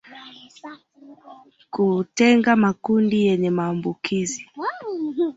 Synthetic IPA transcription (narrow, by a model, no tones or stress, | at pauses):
kutɛŋɡamakundijɛɲɛmaːmbukʰizi